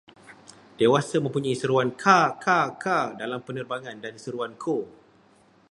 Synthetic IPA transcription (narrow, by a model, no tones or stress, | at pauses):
d̥ewasamə̃mpuɲaisəɾuankʰakʰakʰadalampənərbaŋãndansəɾuankʰo